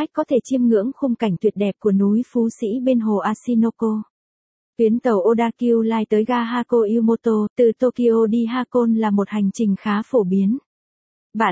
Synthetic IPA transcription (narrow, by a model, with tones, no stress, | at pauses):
k̟̚kɔ˨˦t̪ʰe˧˩t͡ɕi˧əmŋɨ̰˧˥əŋxʊ˧ŋ͡mka˧˩jŋ̟t̪ʰwi˨˩ət̚ɗɛ˨˩p̚ku˧˩ənu˨˦jfu˨˦sḭ˧˥ɓe˧nɦo˨˩ʔaː˧si˧no˧ko˧ | t̪wi˨˦ənt̪ə˨˩wʔo˧ɗaː˧ki˧wlaː˧jt̪əː˨˦jɣaː˧ɦaː˧ko˧ʔi˧wmo˧t̪o˧t̪ɨ˨˩t̪o˧ki˧ʔo˧ɗi˧ɦaː˧ko˧nlaː˨˩mo˨˩t̚ha˨˩jŋ̟t͡ɕï˨˩ŋ̟xaː˨˦fo˧˩ɓi˨˦ən | vaː˨˩